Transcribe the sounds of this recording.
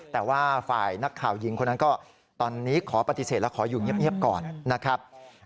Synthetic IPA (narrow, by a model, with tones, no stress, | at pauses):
t̪ɛː˨˩waː˥˩fa̰ː˨˩jna˦˥kʰːaː˨˩wji˨˧˦ŋkʰo˧nːa˦˥kɔː˥˩ | t̪ɔː˧nːiː˦˥kʰɔː˩˦pa˧t̪i˧˩seː˨˩lɛ˦˥wkʰɔː˩˦juː˨˩ŋi˥˩əp̚ŋi˥˩əp̚kɔː˨˩nːa˦˥kʰɾa˦˥p̚